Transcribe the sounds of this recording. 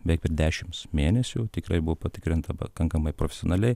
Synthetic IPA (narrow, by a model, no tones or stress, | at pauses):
bʲɛːk̚pʲɛɾd̪ʲæːʃʲɪmsmʲeːnʲɛsʲut̪ʲɪkɾɐɪbʊʋopɐt̪ʲɪkɾʲɪnt̪ɐpɐ̰kɐŋkɐmɐɪpɾoːfʲɛ̥sɪoːnʲɐlʲɛɪ